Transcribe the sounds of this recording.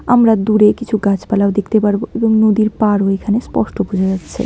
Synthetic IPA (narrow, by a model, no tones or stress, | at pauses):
əmɾad̪uɾekit͡ʃʰuɡat͡ʃʰpəlawd̪ikʰt̪epəɾboebəmnod̪iɾpaɾɦoikʰanespɔsʈobud͡ʒʱatt͡ʃʰɛ̰